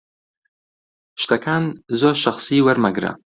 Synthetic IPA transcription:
ʃt̪ɐkʰaːnzoːɾʃɐxsiːwɐɾmɐɡɾɐ̰

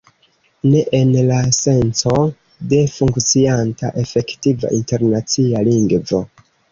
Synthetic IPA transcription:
ne̞ʔenlase̞nt͡so̞ | de̞fuŋkt͡sianta̰ʔe̞fe̞ktiva̰ʔinte̞ɾnat͡sialiŋɡvo̞

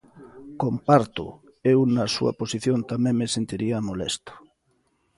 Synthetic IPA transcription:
kompaɾt̪ʊ̰ | ewnasṵa̰posiθjont̪amẽŋmesent̪iɾiamolḛst̪ʊ̥

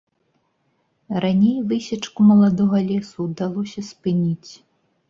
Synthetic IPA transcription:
ranʲejvɨsʲɐt͡ʂkumɐlˠad̪ɔɣɐlʲɛsud̪alˠɔsʲɐspɨnʲit͡sʲ

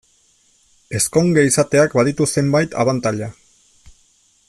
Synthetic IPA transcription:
e̞sko̞ŋɡeisat̪e̞akbaðit̪use̞mbajt̪a̰βant̪aʎa

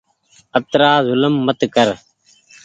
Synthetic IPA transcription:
əb̚t̪ɾaːzʊləmːət̪kəɾ

